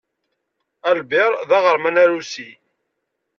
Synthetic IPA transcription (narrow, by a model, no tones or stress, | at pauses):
ælbɪɾˤðɑʁəɾmænæɾusi